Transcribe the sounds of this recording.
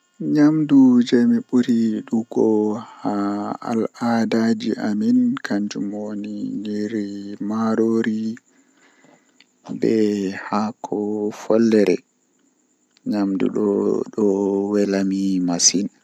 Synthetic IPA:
ɲamdud͡ʒɛmiɓuɾiɗuɡɔhaa̰ladad͡ʒiʔaminkʰaɲd͡ʒumoniniɾimaɾoɾi | bɛhakʰɔfɔlːɛɾɛ̰ | ɲamdṵɗɔ̰ɗɔwɛlamimasin

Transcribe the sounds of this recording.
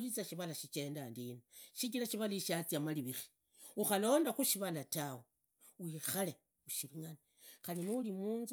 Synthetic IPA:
lit͡saʃiβalaʃit͡ʃe̞ndandineʃik̬ilaʃiβaliʃat͡siamaliβiri̥ | uxalo̞ːndaxuʃiβalatawe | wixale | uʃiliŋani | xaliniulimuːnz

